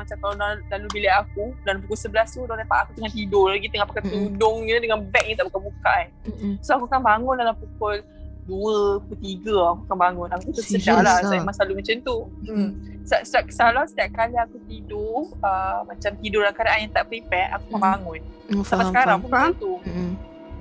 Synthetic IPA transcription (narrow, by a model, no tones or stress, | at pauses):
mat͡ʃamkalaalalubilajakudalamp̬ukulsəbəlast̪udahlapaʔakut̪əŋant̪idʊlaɡit̪əŋapakat̪udʊŋɲə̃dəŋanbɛk̚ɲət̪aʔbukabukaʔansoakukanbaŋʊndalampukʊl | duəkut̪iɡəakukanbaŋʊnakut̪usəd͡ʒaʔlasajamaslalumat͡ʃamt̪u | saʔsaʔkəsalasə̥t̪iap̚kaliakut̪idʊəmat͡ʃamt̪idʊɾlakaɾaajat̪aʔpɾipɛʔa̰kukanbaŋʊnsamaskaɾaŋpunbaŋant̪u